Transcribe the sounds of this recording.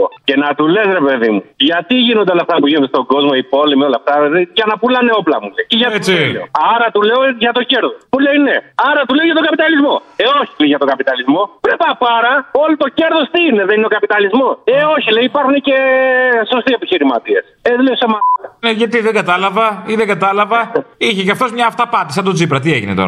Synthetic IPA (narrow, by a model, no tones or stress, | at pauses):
o̰ce̞nɐt̪ule̞sɾe̞pe̞ðimuʝɐt̪iʝinond̪eolɐft̪ɐpuʝinond̪st̪o̞ɡo̞zmo̞ipo̞limio̞lɐft̪ɐðeʝɐnɐpulɐneo̞plɐ̰muleiceʝɐeo̰ɐɾɐt̪uleoʝɐt̪o̞ce̞ɾðosmule̞jneɐɾɐt̪uleoʝɐt̪oɡɐpit̪ɐlizmo̞eo̞çi̥t̪leiʝɐt̪o̞kɐpit̪ɐlizmo̞vɾepɐpɐɾɐo̞lot̪o̞ce̞ɾðost̪iineðenineokɐpit̪ɐlizmo̞seoçileiipɐɾxunece̞so̞st̪iepiçiɾimɐ̰t̪ie̞seðleosemɐneʝɐt̪iðeŋɡɐt̪ɐlɐvɐiðeŋɡɐt̪ɐlɐvɐiçecɐft̪o̞zmɲɐːft̪ɐpɐt̪isɐt̪ot͡sipɾɐt̪̬ie̞ʝinet̪o̞̰ɾɐ